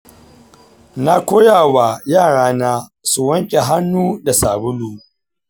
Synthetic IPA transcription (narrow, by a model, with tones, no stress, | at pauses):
na˦kʷoː˦jaː˨wa˨jaː˦˨ɽaː˦naː˦su˨wɐ˦ŋkʲʼe˨ɦa˦nːuː˦da˨saː˨bʊ˦luː˨